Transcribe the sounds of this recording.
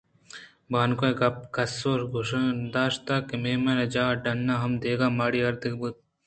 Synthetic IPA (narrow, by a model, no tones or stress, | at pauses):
baːnkoɡɐp̚kɐsoːɾɡʱʊʃɐd̪aːʃt̪aːkemeːmɐɾɐd͡ʒaːɖɐnːaːɦɐmd̪eːɡaːmaːɽiɐɾd̪ɪkbut̪̚